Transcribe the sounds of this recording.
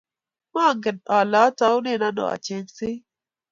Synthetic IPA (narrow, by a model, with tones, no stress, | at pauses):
mɔ˦˨ŋɡə˨nɔ˨lɔ˨˦tɔ˦wʊ˦ne˦˨na˦nɔ̰˨a̰˨t͡ʃe˨ŋsɪ˦